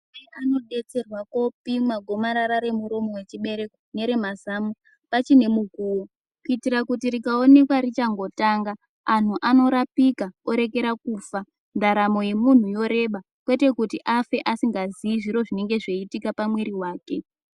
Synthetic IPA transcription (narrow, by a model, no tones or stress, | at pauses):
eano̞ɗe̞t͡se̞rwako̞pimaɡʱo̞maɾaɾaɾe̞muɾomowe̞t͡ʃiɓe̞ɾe̞kone̞ɾe̞mazamu | pat͡ʃine̞muɡʱuːwo | kuitiɾakutiɾikaone̞kwaɾit͡ʃaŋɡo̞taŋɡaː | n̤uʔano̞ɾapikao̞ɾe̞ke̞ɾakuːfa | ndaɾamo̞je̞mun̤ujo̞ɾe̞ɓa | kwe̞te̞kutiʔafe̞ʔasiŋɡaziiʐiɾo̞ʐine̞ŋɡe̞ʐe̞itikapamweɾiwaːke̞